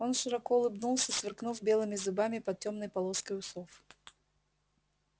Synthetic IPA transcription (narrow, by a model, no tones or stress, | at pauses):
o̞nʂɨɾɐkoʊlˠɨbnulˠsʲəsvʲɪrknufbʲelˠɨmʲɪzɨbamʲɪpɐt̪̚tʲo̞mnəjpɐlˠoskəjʊsof